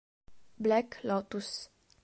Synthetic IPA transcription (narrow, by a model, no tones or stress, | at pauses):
blɛklɔt̪us